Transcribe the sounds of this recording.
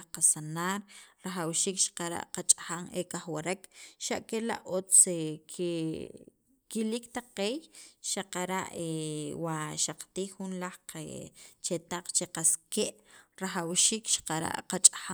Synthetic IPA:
qasanaːɾɾaχawʃiːkʃḁqaɾa̰ʔqat͡ʃʼaxaŋekaχwaɾekʃaʔkela̰ʔot͡sekʰe | kilikt̪aqeːjʃaqaɾaʔewaʃaqḁt̪iːxːunlaχḛt͡ʃet̪aq͡χt͡ʃeqaskeʔɾaχawʃiːkʃḁqaɾa̰ʔqat͡ʃʼḁxa

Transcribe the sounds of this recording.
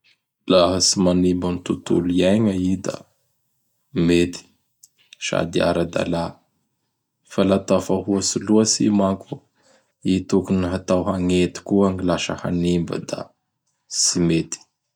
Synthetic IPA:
laɦəsimanimbanit̪ut̪ṵliajŋəid̪a̰ | met̪i̥ | ʃa̰d̪ia̰ɾad̪a̰la | falat̪afaɦuəsiluəsḭmaŋku | it̪ukuniɦat̪awɦaŋet̪i̥kuaŋilaʃə̰ha̰nimbə̰d̪a̰ | simet̪i̥

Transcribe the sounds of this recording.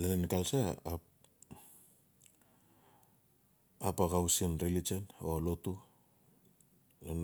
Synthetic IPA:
lenenkalsa | apakawsienɾelit͡ʃenoalotu | len

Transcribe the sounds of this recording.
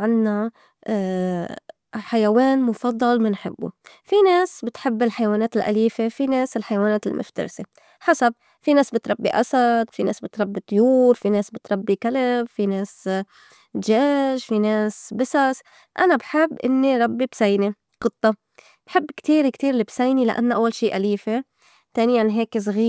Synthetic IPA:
ʕanːa | ħajaweːnmʊfɑd̪ˤːɑlmɪnħɪ̰bːṵ | fineːsbɪt̪ħɪbːɪlħajwaːneːt̪ɪlʔa̰liːfefineːsɪlħajawaːneːt̪ɪlmʔʊ̰ft̪ɑ̰ɾse | ħasab̚ | fineːsbɪt̪ɾˤɑbːiʔa̰sad̪finḛːsbɪt̪ɾˤɑbːit̪ˤʊjuːɾfineːsbɪt̪ɾˤɑbːikalɪbfineːs | ʒeːʒfineːsbɪsas | ʔanabħɪbːʔɪnːiɾˤɑbːibsajni | qɨt̪ˤːɑ | b̥ħɪbːkt̪iːɾkt̪iːɾlɪbsajnila̰ʔa̰nːʔawːalʃiːʔaliːfe | t̪eːnɪjanɦeːks̬ɣiː

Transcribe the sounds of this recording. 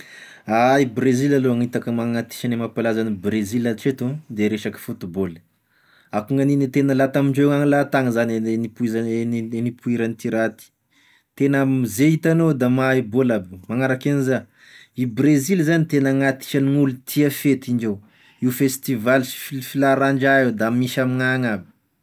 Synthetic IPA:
aibrezilaloaŋit̪akəmaŋat̪i̥ʃanemapalazanibrezilaʈ͡ʂet̪ud̪eɾeʃaki̥fut̪ibol̥ | akuŋaninit̪enəlat̪amiɳɖ͡ʐeaŋilat̪aŋəzaneenipuizanipʰuiɾanit̪iɾat̪i̥ | t̪enammizeit̪anod̪amaebolabumaŋaɾakeniza | ibrezilzanit̪enəŋat̪i̥ʃaniŋulut̪ʰiafet̪ind͡ʒew | iufest̪ivalisi̥fifilaɾaɳd͡ʒaewd̪amiʃamiŋaŋabi̥

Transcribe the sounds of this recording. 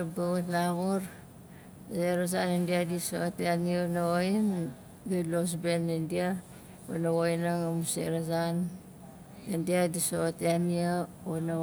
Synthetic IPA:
abaβatlaɣuɾ | seɾas̬anendiadisoteanionaoin | ɡilos̬benindia | o̰nawojnaŋamusḛɾazan | endiadisoteania | ona

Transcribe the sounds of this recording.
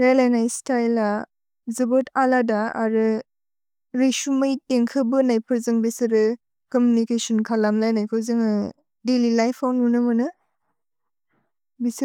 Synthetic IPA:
ɾajlajnajstajla | zɯbɔtʰaladaa̰ɾɯ | ɾesumajteŋkʰɯbɯnajpʰɯɾzɯŋbisɯɾɯ | kɔmjunikesɔnkʰalamlajnajkʰɯwzɯŋɯ | delilajpʰawnunɯmɯnɯ | bis

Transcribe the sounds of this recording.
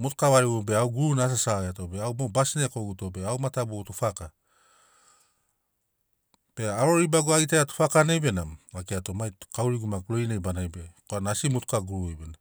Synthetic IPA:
mutu̥kaβaɾibobeawɡuɾunas̬asaeatobeawmobasinekoɡutobe̞awmatabutufaka | b̥eaɾoɾibaɡoaɡitaatu̥pakanebe̞namakeatomajkawɾiɡumakuɾojnejbanajbekoanasimutukaɡuɾuejbena

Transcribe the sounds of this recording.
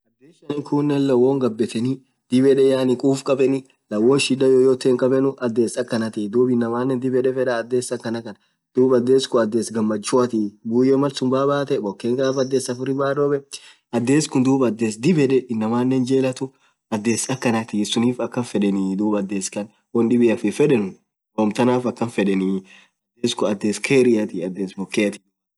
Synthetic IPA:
ʔɐd̪ːeːsɐnɪŋkʰuːnːɛnlɐwoŋɡɐbːɛt̪ɛni | d̪̥ɪbɛᶑɛjaːnɪkʼuːfkʼɐbɛnɪ | lɐwːoːnʃɪᶑɐjɔjɔt̪ːeːŋkʼɐbɛnʊʔɐd̪ːe̞ːsɐkːɐnɐt̪id̪uːbɪnːɐmaːnːɛnd̪ɪbɛᶑɛfɛᶑɐːd̪ːeːsɐkːɐnɐkɐn | d̪̥uːbɐd̪ːeːskʊɐd̪ːe̞ːsɡɐmːɐt͡ʃːʊɐt̪ibuːjɛmɐlsʊmbaːbaːt̪ɛbɔkːeːŋɡaːfɐd̪ːeːsɐfʊɾɪbaːɾobɛ | ʔɐd̪ːeːskʊnd̪uːbɐd̪ːeːsd̪ɪbɛᶑɛɪnːɐmaːnːɛnd͡ʒeːlɐt̪ʊ | ʔɐd̪ːeːsɐkːɐnɐt̪isʊniːfɐkːɐnfɛᶑɛniːd̪uːbɐd̪ːeːskɐn | wɐnɗɪbɪɐfɪfɛᶑɛnʊ | boːmt̪ɐnaːfɐkːɐnfɛᶑɛni | ɐd̪ːeːskʊɐd̪ːeːskʰeɾɪjɐt̪ɪɐd̪ːeːsbɔkːeːɐt̪ɪ̥

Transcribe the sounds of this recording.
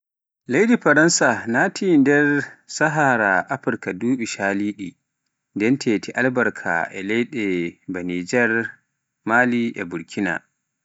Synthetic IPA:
lejdiɸaɾɐnsanatʰindɛɾsaɦaɾaʔaɸɪɾkaduːɓiʃaːliːɗi | ndɛntʰeːtʰiʔalbɐɾkʰa̰ʔɛ̰lɛjɗɛbaniːd͡ʒɛɾ | maːliʔɛ̰buɾkʰʲina̰

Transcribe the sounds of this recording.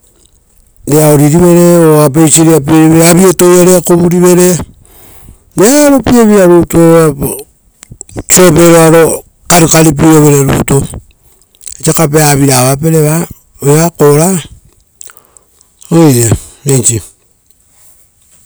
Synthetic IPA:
deaoɾiɾiβeɾeoap̬eisiɾiap̬ieɾiβeɾaβietojeɾekoβuɾiβe̞ɾe | neaɾo̞pieβiɾaɾutoa | t͡ʃopeɾoaɾo | kaɾikaɾip̬iɾoβeɾeɾṵto | et͡ʃakapeaβiɾaβapeɾeβa | eβakoɾa | oienet͡ʃi

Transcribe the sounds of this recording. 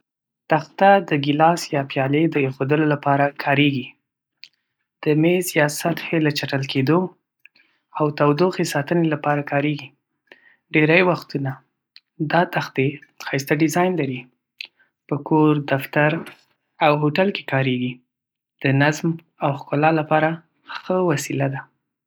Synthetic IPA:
t̪axt̪ad̪əɡɪlɑsjɑpjɑled̪əexod̪əlolapɑɾakʰɑɾeɡi | d̪̥əmezjɑsat̪helət͡ʃaʈəlked̪o | awt̪awd̪oxesɑt̪ənelapɑɾakʰɑɾeɡi | ɖeɾajwaxt̪una | d̪ɑt̪axt̪exɑjs̬t̪aɖɪzɑjnlaɾi | pəkoɾd̪aft̪aɾ | awɦoʈalke̥kɑɾeɡi | d̪̥ənazm | awxkʊlɑlapɑɾa | xəwasilad̪a

